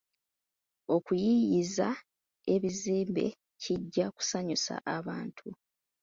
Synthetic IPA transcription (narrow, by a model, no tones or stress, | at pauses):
o̞kujijiza | e̞βiziːmbe̞̰ | ciɟːaku̥saɲusa̰ʔaβaːntʰu